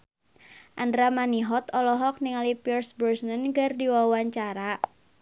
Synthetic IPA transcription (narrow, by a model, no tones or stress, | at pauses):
ʔandɾamaniɦɔt̪ɔlɔɦɔk̚niŋalipirsbərsnənɡərdiwawaɲt͡ʃaɾa